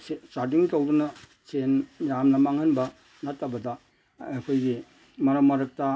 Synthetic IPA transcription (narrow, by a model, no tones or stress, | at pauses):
estaɾt̬iŋtowdunɐ | senjamnɐmaŋɐnbɐ | natːɐbɐdɐ | ajkʰojɡi | mɐɾɐmɐɾɐk̚tɐ